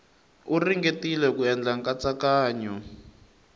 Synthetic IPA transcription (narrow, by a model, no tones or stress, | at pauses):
uriŋɡetilɛkuɛnd͡ɮaŋkat͡sakaːɲɔ